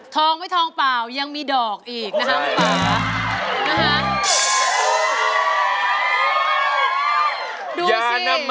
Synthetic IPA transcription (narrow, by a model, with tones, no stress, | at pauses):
t̪ʰɔː˧ŋma˥˩jt̪ʰɔː˧ŋpaː˨˩wja˧ŋmiː˧dɔː˨˩k̚ʔiː˨˩k̚na˦˥kʰa˦˥ka˦aː˨˩˧na˦˥kʰa˦˥ | duː˧a˨˩na˧m